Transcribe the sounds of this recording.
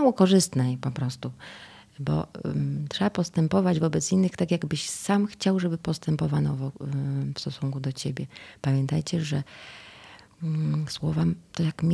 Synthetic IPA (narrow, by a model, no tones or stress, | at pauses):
awɔkɔʐɘst̪nɛjpɔpɾɔst̪u | bɔ̰t̪ʂɛbapɔst̪ɛmpɔvad͡ʑvɔbɛt̪sinːɘxt̪akʲjaɡbɘɕsamxt͡ɕawʐɛbɘpɔst̪ɛmpɔvanɔvɔfst̪ɔsuŋkud̪ɔt͡ɕebʲjɛpamʲjɛnt̪ajt͡ɕɛʐɛ | swɔvamt̪ɔjakmʲ